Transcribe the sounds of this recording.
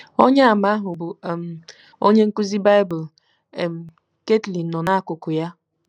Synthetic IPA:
o˦ɲe˦a˨ma˦ɦʊ˨bʊ˨m̩˨ | o˦ɲe˦ŋ̩˦ku˦zi˦ba˦ɪ˦bʊ˨l | m̩˨ | ke˦tli˨nɔ˨na˦kʊ˨kʊ˨ja˦

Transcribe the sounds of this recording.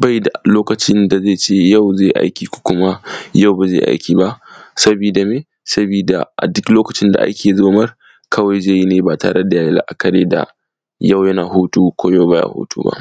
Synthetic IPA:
ba˦˨jda˨loː˦kɐ˨t͡ʃɪ˦nda˨zeː˦˨t͡ʃeː˦ja˦˨wzeː˦˨ʔa̰˦jkʲiː˨kʷu̥˨kʷʊ˦ma˦ja˦˨wba˨zḛ˦˨ʔa̰˦jkʲiː˨ba˦ʔsɐ˦biː˨da˨meː˦ | sɐ˦biː˨da̰˨ʔa˨dʊ˦kloː˦kɐ˨t͡ʃɪ˦nda̰˨ʔa̰˦kʲeː˨zoː˦mɐ˦r | kʰɐ˦wɐa˦jd͡ʒeː˦ji˦neː˨ba˨ta̰ː˨ɽe˦da˨jaː˦ji˦la̰˦ʔa˨kɐ˨ɽeː˦da̰˨ | jɐ˦˨wjɐ˦naː˨ɦoː˦tuː˦kʷoː˦ja˦˨wba˦ja̰˨ho̰ː˦tʰṵː˦ba̰˦ʔ

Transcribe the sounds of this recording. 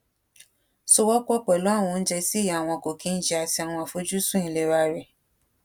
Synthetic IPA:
so˧wɔ˦k͡pɔ˦k͡pɔ˨lɔ˦˨w̃ũ˧n̩˦d͡ʒɛ˧si˦˨ja˨a˨w̃ɔ̃˧˨ko˨kĩ˦n̩˦d͡ʒi˦a˧ti˧a˨w̃ɔ̃˧a˨fo˦d͡ʒu˦sũ˦ĩ˨˧˨le˧˨ɾa˧ɾɛ˨

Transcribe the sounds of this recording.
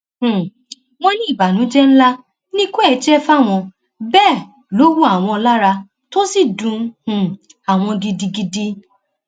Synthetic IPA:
h̩˨ | mɔ̃˦nĩ˦i˦˨ba˨nũ˨˦d͡ʒɛ˦n̩˦la˦ | nĩ˦ko˦ɛ˨˧d͡ʒɛ˦fa˦˨w̃ɔ̃˧ | bɛː˦˨ | lo˨˦wu˦a˨w̃ɔ̃˧la˦ɾa˧ | to˦si˦˨dũ˧hũ˨ | a˨w̃ɔ̃˧ɡi˧di˧ɡi˧di˧

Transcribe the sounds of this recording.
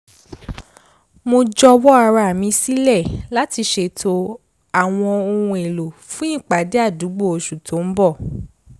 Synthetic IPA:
mo˧d͡ʒɔ˧wɔ˦a˧ɾa˧a˨mĩ˧si˦lɛ˦˨la˦ti˧ʃe˧tʰo˧ | a˨w̃ɔ̃˧o˧ũ˧e˨lo˨fũ˦ĩ˦˨k͡pa˨˦de˦a˦˨du˨˦ɡ͡bo˦˨o˨˧ʃu˨tʰo˨˦m̩˦bɔ˦˨

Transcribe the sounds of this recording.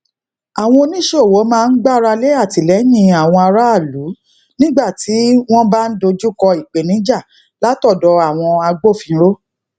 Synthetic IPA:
a˨w̃ɔ̃˧o˧nĩ˦ʃe˦o˨wo˨˦mãː˧˦˧n̩˦ɡ͡ba˦ɾa˧le˦a˦˨ti˨lɛ˨˦jĩ˧a˨w̃ɔ̃˧a˧ɾa˦a˦˨lu˨˦ | nĩ˦ɡ͡ba˦˨ti˨˦w̃ɔ̃˦ba˦n̩˦do˧d͡ʒu˦kɔ˧i˨k͡pe˨nĩ˨˦d͡ʒa˦˨ | la˨˦tɔ˦˨dɔ˨˦a˦˨w̃ɔ̃˧a˧ɡ͡bo˦˨fĩ˨˧˦ɾo˦

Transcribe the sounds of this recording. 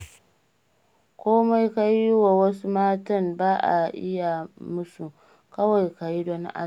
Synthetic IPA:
kʷoː˦ma˦jka˦jwa˨wɐ˦su˦maː˦tɐ˦nbaː˦ʔa̰˨ʔɪ̰˦ja˨mʊ˦su˨ | kɐ˦wa˨jka˨ji˦do˦n̰˦ʔa̰˦˨

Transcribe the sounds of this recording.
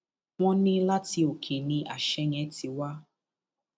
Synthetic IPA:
w̃ɔ̃˦nĩ˦la˦ti˧o˨kʰe˨nĩ˧ʔa˨ʃɛ˧˦ŋɛ˨˦ti˧wa˦

